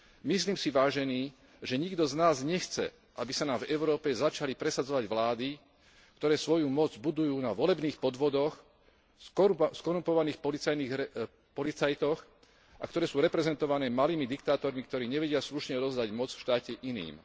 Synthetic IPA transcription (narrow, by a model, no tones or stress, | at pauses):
misliːmsiʋaːʒɛniː | ʒɛɲiɡd̪ɔznaːzɲɛxt͡sɛ̰ | ʔabisanaːmvɛʊɾɔːpɛzat͡ʃalipɾɛsad͡zɔʋaɟʋlaːd̪i | kt̪ɔɾɛːsʋɔjumɔd͡zbud̪ujuːnaʋɔlɛbniːxpɔd̪ʋɔd̪ɔx | skɔɾumpɔʋaniːxpɔlit͡sajniː | pɔlit͡sajt̪ɔx | ʔa̰kt̪ɔɾɛːsuːɾɛpɾɛzɛnt̪ɔʋanɛːmaliːmid̪ikt̪aːt̪ɔɾmik̚t̪ɔɾiːɲɛʋɛɟɪasluʃɲɛɔd̪ɔzd̪aɟmɔd͡zfʃt̪aːcɛʔinḭːm